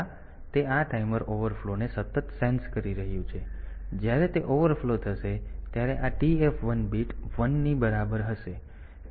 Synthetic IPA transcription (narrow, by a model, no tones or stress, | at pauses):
t̪eaʈaiməɾoʋəɾflonesət̪ət̪senskəɾiɾəɦjũt͡ʃʰed͡ʒjaɾet̪eʔoʋəɾflot̪ʰəʃet̪jaɾeʔaʈiefʋənbiʈʋənːibəɾabəɾɦəʃe